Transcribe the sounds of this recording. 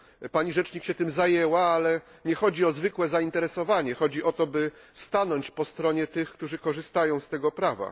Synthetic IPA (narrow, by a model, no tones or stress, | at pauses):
paɲiʐɛt͡ʂɲikɕɛt̪ɘmzajɛwaalɛ | ɲɛxɔd͡ʑiɔzvɘkwɛzaint̪ɛɾɛsɔvaɲɛxɔd͡ʑiʔɔt̪ɔbɘ | st̪anɔɲt͡ɕpɔst̪ɾɔɲɛt̪ɘxkt̪uʐɘkɔʐɘst̪ajɔ̃w̃st̪ɛɡɔpɾava̰